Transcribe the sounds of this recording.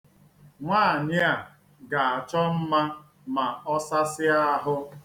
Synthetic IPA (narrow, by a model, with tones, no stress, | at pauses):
ŋʷaː˦˨ɲɪ˦a˨ | ɡa˨a˨t͡ʃɔ˦m̩˦ma˦ | ma˨ɔ˦sa˦sɪ˦a˦a˦ɦʊ˦